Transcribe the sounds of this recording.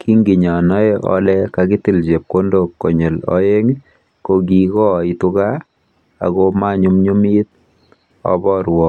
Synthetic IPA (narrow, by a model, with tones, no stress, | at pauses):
kʰi˦ŋɡi˨ɲa˨nɔ˦e˦ʔɔ̰˦lɛkaki˦ti˨lt͡ʃe˨p̚ko˦ndo˦kːo˨ɲe˨lɔ̰˦je˦ŋ | ko˨ɡ̬i˨kɔ˦i˨tuka˦ | a̰˨koma˦ɲu˦mɲu˦mi˦t̪̚ | ɔ̰˦bɔ˦ɾwɔ˨k